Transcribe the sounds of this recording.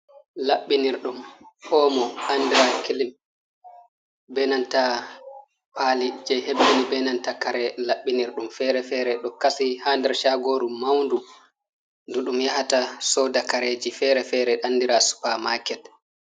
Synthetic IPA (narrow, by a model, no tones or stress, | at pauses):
laɓːiniɾɗumhɔːmɔʔanːdiɾakilim | bɛnanta | paːlid͡ʒɛhebːinibɛnantakaɾɛlaɓːiniɾɗumfɛɾɛfɛɾɛɗɔkasihandɛɾʃaɡoːɾumːawndu | nduɗumjahatasɔdakaɾed͡ʒifɛɾɛfɛɾɛɗanːdiɾasu̥pamaːkɛl